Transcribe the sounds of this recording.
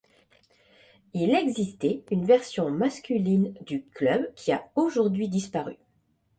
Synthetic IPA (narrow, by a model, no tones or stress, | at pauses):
ilɛɡzist̪eynvɛʁsjɔ̃maskʲylind̪yklœbkʲʰiaoʒuʁd̪ɥid̪ispaʁy̰